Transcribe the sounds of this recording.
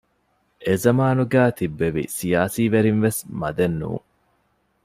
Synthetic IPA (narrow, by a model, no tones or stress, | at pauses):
ʔezɐmaːnuɡæːt̪ibːeʋḭsijaːsiːʋeɾinʋesmɐ̰d̪enːṵːŋ